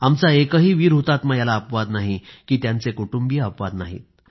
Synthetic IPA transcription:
amt͡saekəɦiːʋiːɾɦot̪aːt̪majalaəpʋad̪naɦikiːt̪jant͡sekuʈumbiːəpʋad̪naɦḭːt̪̚

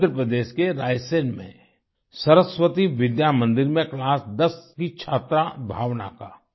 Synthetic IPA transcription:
ɾəpɾəd̪eːʃkeɾaːjsenmḛ̃ | sɐɾəsʋət̪iʋɪd̪jamə̃nd̪ɪɾmẽklaːsd̪ɐskit͡ʃʰaːt̪ɾabʱa̰ːʋna̰kaː

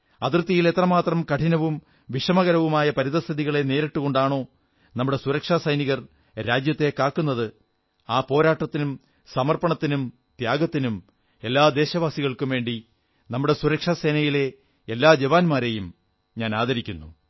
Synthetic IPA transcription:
ɐt̪rt̪ːijile̞t̪rɐmaːt̪rɐmkɐʈʰinɐʋum | ʋiʂɐmɐɣɐɾɐʋumaːjɐpɐɾiðɐst̪ʰɐðiɣɐɭe̞ne̞ːɾeʈːuɣo̞ɳɖaːɳo̞ː | nɐmːuɽe̞suɾɐkʂaːsɐjniɣɐr | ɾaːd͡ʑjɐt̪ːe̞kaːkːunːɐðɨ | aːpo̞ːɾaːʈːɐt̪ːinum | sɐmɐrpɐɳɐt̪ːinum | t̪jaːɡɐt̪ːinum | e̞lːaːd̪e̞ːɕɐʋaːsiɣɐɭkumʋe̞ːɳɖi | nɐmːuɽe̞suɾɐkʂase̞ːnɐjile̞ː | lːaːd͡ʑeʋaːnmaːɾe̞jum | ɲaːnaːd̪ɐɾikʲːunːu

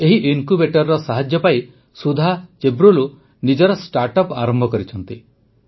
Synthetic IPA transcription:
eɦiʔiŋkubeʈɔɾːɔsaɦad͡ʒjɔpaj | sud̪ʱat͡ʃebɾulu | nid͡ʒɔɾɔsʈaɾʈɔpaɾɔmbʱɔkɔɾit͡ʃʰɔnt̪i

